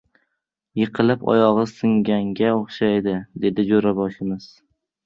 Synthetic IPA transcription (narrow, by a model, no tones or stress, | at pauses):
jɨqʰɨlˠɪpɒ̰jɒʁɨsɨŋɡʲaŋɡʲaoχʃajd̪ɪd̪e̞d̪ɪd͡ʒoɾabɒʃɪmɪz̥